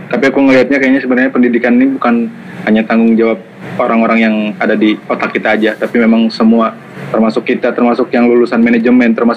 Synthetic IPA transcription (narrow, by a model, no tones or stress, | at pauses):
t̪apiakuŋəliɦat̪̚ɲakajaɲasəbənarɲapəndidikanːibukan | haɲat̪aŋɡʊŋd͡ʒawap̚oɾaŋoɾaŋjaŋadadiot̪akːit̪aːd͡ʒat̪apimemaŋsəmua | t̪ərmasʊkːit̪at̪ərmasʊkjaŋlulusanmened͡ʒəmɛnt̪ərmasʊ